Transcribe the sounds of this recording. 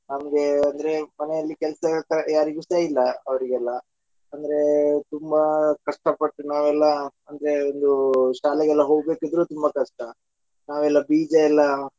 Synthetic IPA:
nɐmɐɡe̞ɐnd̪ɐɾe̞mɐnɛjɐlːikɛlɐsɐkɐjaːɾiɡusɐilːɐɐʋɐɾiɡɛlːɐ | ɐnd̪ɐɾe̞t̪umbɐkɐʂʈɐpɐʈːunaːʋɛlːɐɐnd̪ɐɾe̞ond̪uʃaːlɛɡɛlːɐɦo̞ːɡ̚be̞ːkid̪ɾut̪umbɐkɐʂʈɐ | naːʋɛlːɐbiːd͡ʒɐɛlːɐ

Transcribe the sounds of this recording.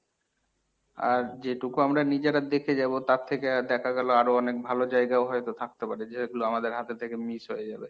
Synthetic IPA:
a̰ɾd͡ʑeʈukuamɾanid͡ʑeɾad̪ekʰed͡ʑabot̪at̪ʰːekead̪ɛkʰaɡɛloaɾoɔnek̚bʱalod͡ʑaeɡaoɦɔjt̪ot̪ʰak̚t̪epaɾed͡ʑeɡuloamad̪eɾɦat̪et̪ʰekemisɦojed͡ʑabe

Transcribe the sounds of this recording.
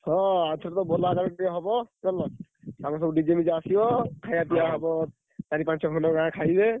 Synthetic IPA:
hɔ̃asʰɔɾɔt̪ɔbɔlakaɾɔʈiɔɦɔbɔkɔlɔsamɔsɔbuɖid͡ʒemid͡ʒaːsibɔkʰajapijaɦɔbɔ | t̪aɾipãnsɔkʰɔnɔɡãkʰajbe

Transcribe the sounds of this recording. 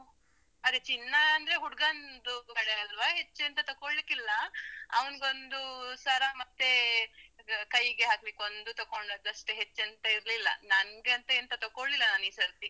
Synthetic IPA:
ɐd̪et͡ʃinːɐɐnd̪ɐɾeɦuɽɡɐnd̪ukɐɽeɐlʋaɦe̞t͡ʃːent̪ɐt̪ɐkoɭlikilːɐɐʋɐnɡeo̞nd̪usaːɾamɐt̪ːe̞ | kɐjɡeɦaːkbeko̞nd̪ut̪ɐkoɳɖɐd̪ɐʂʈɦet͡ʃːent̪ɐiɾlilːɐ̰nɐnɡeɐnt̪ɐnt̪ɐt̪ɐkoɭːilːɐnaːniːsɐɾt̪i

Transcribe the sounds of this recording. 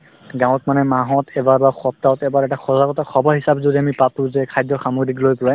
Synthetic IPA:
ɡãwɔ̃tmanɛmaɦɔtʰɛbaɹbaxɔp̚taɔtɛbaɹɛtaxɔzaɡɔtaxʰɔbʱɔɦisabzodiamipap̚tũzɛkʰajdɔxamoɡɹiklojpɔla

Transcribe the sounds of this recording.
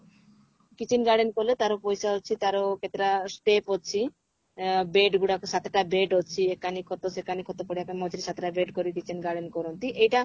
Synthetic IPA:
kit͡ɕʰinɡaɾɖenkolet̪aɾopojsaɦotːt͡ɕʰit̪aɾokʰet̪ɾasʈepɦotːt͡ɕʰi | beɖɡuɽaksat̪ʰeʈabeɖotːt͡ɕʰiekanikʰɔt̪osekanikʰɔt̪opɔɽiakemɔd͡ʑɾiʃat̪ʰeʈabeɖkoɾikit͡ɕʰinɡaɾɖenkɔɾont̪iʔejʈa

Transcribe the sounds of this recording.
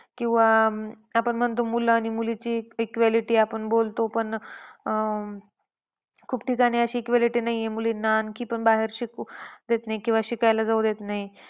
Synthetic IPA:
kĩw̃ʋa | apəɳm̤ənt̪omulaːñimulit͡ɕiekʋaliʈiːapəɳbolt̪opəɳ | kʰuːbʈʰikañiəɕiːekʋaliʈiːnaɦiemulinankiːpəɳbaɦeɾɕikd̪et̪naikĩw̃ʋaɕikajlad͡zawd̪et̪naɦi

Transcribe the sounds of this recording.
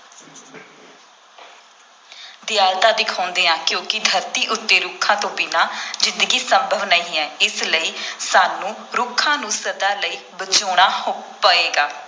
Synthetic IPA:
d̪ɪjaːlt̪ãːd̪ɪkʰaːʊnd̪eːãːkjõːkɪd̪ʱəɾt̪iːʔʊt̪ːeːɾʊkʰːãːt̪õːbɪnaːd͡ʒɪ̃nd̪əɡiːsəmbʱəʋnəɦĩːɛːɪsləiːsaːnːũː | ɾʊkʰːãːnũːsəd̪aːləiːbət͡ʃoːɽ̃aːpəeːɡaː

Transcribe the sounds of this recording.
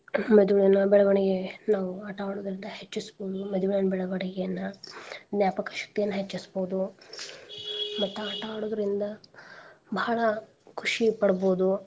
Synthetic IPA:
mɐd̪uʋɭɐnɐbɛɭɐʋɐɳɛɡenaːʋuɐʈaːɽoːd̪ɐɾind̪ɐɦet͡ʃːisboːd̪umɐd̪uʋɭɐnɐbɛɭɐʋɐɳɛɡejɐnːɐd̪njaːpɐkɐ̥ʃɐ̥k̚t̪ijɐnːɐɦet͡ʃːisboːud̪u | mɐt̪ːuɐʈaːɽoːd̪ɐɾind̪ɐ | bʱɐɐɭɐ | kʰuʂipɐɽɐboːd̪u

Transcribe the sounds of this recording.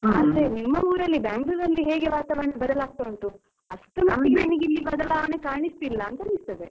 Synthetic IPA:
ɐlɾenimːɐuːɾɐlːibaːŋɡlud̪ɐlːiɦeːɡe̞ʋaːt̪aːʋɐɳebɐd̪ɐlaːɡ̚t̪oɳʈu | ɐʂʈumɐt̪ːiɾɐɳiɡilːibɐd̪ɐlaːʋɐɳekaːɳist̪ilːɐːnt̪ɐnist̪ɐd̪ḛ

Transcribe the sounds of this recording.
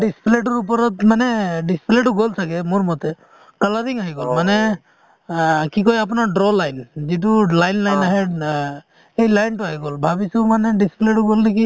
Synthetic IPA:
ɖispleʈ̬ɔɾupɔɾɔt̪maneɖispleʈuɡolt̪ʰakemuɾmɔt̪e | kəlaɾiŋaɦiɡɔlmane | kikɔjap̬naɖɾɔlajnd͡ʒiʈ̬ulajnlajnaɦe | ejlajnʈuaɦiɡɔlbʱabisumaneɖispleʈuɡolneki

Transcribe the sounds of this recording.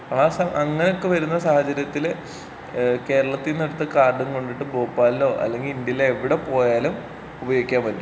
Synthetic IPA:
aːsɐɐŋːɐneo̞kːeʋɐɾunːɐsaːhɐt͡ɕɐɾjɐt̪ːil | ke̞ːɾɐɭɐt̪ːinːeɽut̪ːɨkaːrɖunko̞ɳɖiʈːɨboːpːaːllːo̞ːʔɐ̰lːe̞ŋɡilind̪jɐjileːʋiɽe̞po̞ːjaːlum | ubɐjoɡikʲːaːmʋɐlːu

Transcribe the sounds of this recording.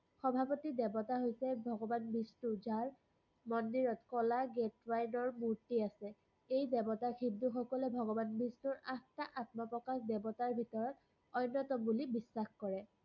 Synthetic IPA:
xɔbʱapɔtidɛbɔtaɦojsɛbʱɔɡɔbanbistuzaɹ | mɔndiɹɔtkɔlaɡetwajnɔɹmuɹtiasɛ | ejdɛbɔtaxʰib̚duxɔkɔlɛbʱɔɡɔbanbistuɹaktaʔatmapɹɔkaxdɛbɔtaɹbʱitɔɹɔt̚ | ɔjnːɔtɔmbulibisːaxkɔɹɛ

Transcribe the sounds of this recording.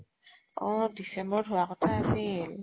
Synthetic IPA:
ɔ̃disɛmbɔɹdʱowakɔtʰaːsil

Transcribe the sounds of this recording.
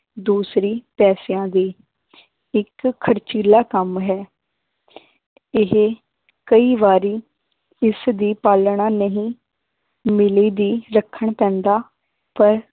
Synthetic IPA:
d̪uːsɾiːpɛːsɪjãːd̪iː | ɪkʰːəɾt͡ʃiːlaːkəmɦɛː | ɪɦ | kəiːʋaːɾiː | ɪsd̪iːpaːlɳãːnəɦĩː | mɪliːd̪iːɾəkʰːəɳpɛ̃ːnd̪aː | pəɾ

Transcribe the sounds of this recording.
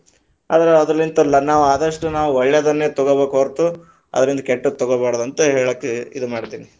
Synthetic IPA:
aːd̪ɐɾeɐd̪ɾɐlːint̪ɐilːɐnaːʋuaːd̪ɐʂʈunaːʋuʋɔɭːjɐd̪ɐnːeːt̪ɔɡɐbeːkoɾt̪u | ɐ̰d̪ɐɾind̪ɐkeʈːut̪ɔɡobaːɽd̪ɐnt̪ɐɦeːɭɐkːeid̪umaːɽt̪iːni

